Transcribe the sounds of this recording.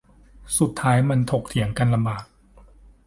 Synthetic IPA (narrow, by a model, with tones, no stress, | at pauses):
su˨˩t̪ʰːaː˦˥jma˧nt̪ʰo˨˩k̚t̪ʰi˩˦əŋka˧nla˧mbaː˨˩t̪̚